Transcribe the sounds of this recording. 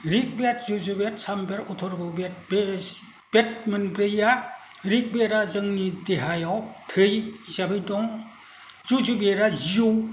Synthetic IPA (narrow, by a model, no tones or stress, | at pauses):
ɾik̚bet̚zuzubet̚sambeɾɔtʰɔɾbɯbetbe | b̥et̚mɯnbɾeja | ɾik̚beɾazɯŋnideɦajawtʰɯjzabɯjdɔŋ | zuzubeɾaziu